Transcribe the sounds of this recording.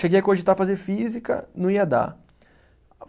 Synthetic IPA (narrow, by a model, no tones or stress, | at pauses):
ʃeɡejɐkoʒit̪aɾfazeɾfizikɐ̰nũiɐd̪a̰